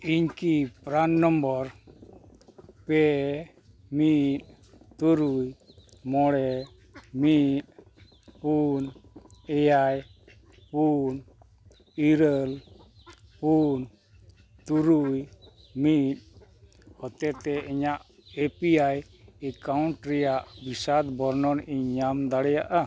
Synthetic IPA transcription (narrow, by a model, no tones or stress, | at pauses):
iɲkipɾanːɔmbɔɾ | pɛ | mit̪̚ | t̪uɾuj | mɔɽɛ | mit̪̚ | punɛjaj | pun | iɾəl | pun | t̪uɾuj | mit̪̚ | hɔt̪ɛt̪ɛiɲaʔ | epiaj | ɛkauɳʈɾɛjaʔbisad̪bɔɾnɔniɲamd̪aɽɛjaʔa